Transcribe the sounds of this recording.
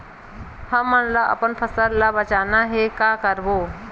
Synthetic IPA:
həmːənləʔə̰pənpʰəsəllabət͡ʃanaɦekakəɾbo

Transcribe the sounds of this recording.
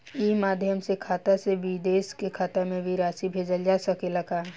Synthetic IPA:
imaːd̪ʱjəmsekʰaːt̪aseʋid̪eːskekʰaːt̪amẽʋiɾaːsibʱeːd͡ʒəld͡ʒaːsəkeləɡaː

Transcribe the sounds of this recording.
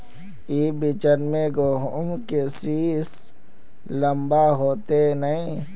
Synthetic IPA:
iːbit͡ʃənmẽɡoɦmkesiːs | ləmbaɦoːt̪enəĩ

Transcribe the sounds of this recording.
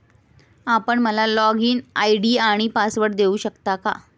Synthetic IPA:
apəɳməlalɔɡiːnaiɖiːaɽ̃ipasʋəɽd̪euːɕəkt̪aka̰

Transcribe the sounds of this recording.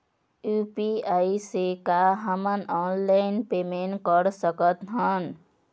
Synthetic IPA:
jupiaisekaɦəmənɔnlaɪnpemenʈkəɾsəkət̪ɦən

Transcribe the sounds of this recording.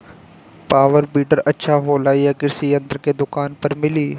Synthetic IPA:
paːʋəɾbiːʈəɾɐtːʃʰaɦoːlaːiakɪɾsiɐ̃nd̪ɾked̪ʊkaːnpɐɾmɪliː

